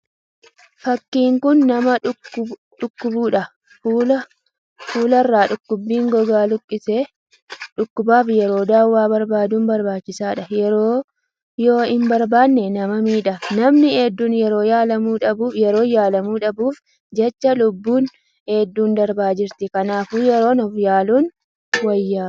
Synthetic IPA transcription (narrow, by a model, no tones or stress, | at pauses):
fɐkːiːŋkʊnːɐmɐ | ᶑʊkːʊbuːᶑɐː | lɐ | fuːlɐrːaːᶑʊkːʊbːiːŋɡɔɡaːlʊkʼːɪse | ᶑʊkːʊbaːfjɛɾo̞ːd̪aːwːaːbɐɾbaːd̪uːnbɐɾbaːt͡ʃːɪsaːᶑɐjɛɾoː | jo̞ːɪnbɐɾbaːnːɛnɐmɐmiːᶑɐnɐmnɪeːd̪ːuːnjɛɾo̞ːjaːlɐmuːᶑɐbuːfjɛɾo̞ːjaːlɐmuːᶑɐbuːf | d͡ʒɛt͡ʃːɐlʊbːuːn | heːd̪ːuːnd̪ɐɾbaːd͡ʒɪɾt̪ɪkɐnaːfuːjɛɾo̞ːnɔfjaːluːn | wɐjːaː